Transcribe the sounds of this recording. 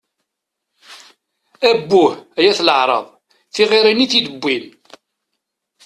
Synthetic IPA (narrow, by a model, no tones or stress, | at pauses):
æbːʊhæjæθləʕɾˤɑ̰ðˤ | θiʁiɾiniθid̪əbːil